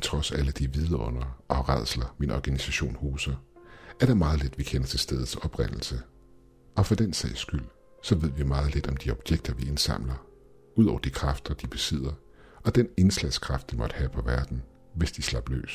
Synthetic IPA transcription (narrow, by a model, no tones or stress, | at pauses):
t͡sʰʁɒ̽sæləd̥iʋið̞ˠɐɔ̽n̰ɐʔɒ̽ʁɑð̰ˠslɐminɒɡ̥ænisæɕo̝̰ːnhuːsɐæɐɾ̥ɑ̈mɑ̈ːð̞̩ˠle̝d̥ʋikʰenɐt͡sʰe̝lsd̥eːð̞̩ˠsɒ̽b̥ʁɛn̰l̩sə | ɒ̽fɒd̥ensɛ̰ɪsɡ̥yl̰ | sɒ̽ʋe̝ð̞̰ˠʋimɑ̈ːð̞̩ˠled̥ɒ̽md̥iɒ̽b̥jeɡ̥̚d̥ɐʋie̝nsɑ̈m̰lɐ | uð̰ˠɒ̰ʊɐd̥ikʰʁɑ̈fd̥ɐd̥ib̥e̝sið̰ˠɐ | ɒ̽d̥ene̝nslæskʰʁɑ̈fd̥ʋimɒ̽d̥ə̥hæpʰɒ̽ʋæɐd̥n̩ | ʋesd̥islɑ̈b̥lø̰ːs